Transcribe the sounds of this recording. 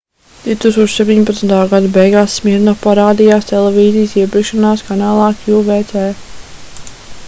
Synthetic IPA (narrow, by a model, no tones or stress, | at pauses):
d̪̥iut̪uːkst̪uɔʃsɛp̚ʲt̪ʲiɲʲpat̪snt̪aːɡad̪abɛjɡaːsːmiɾnɔpaɾaːd̪ijaːst̪ɛlˠɛviːzijsiɛpʲiɛkʃanaːskanaːlˠɑːkjuːvɛjt̪sɛː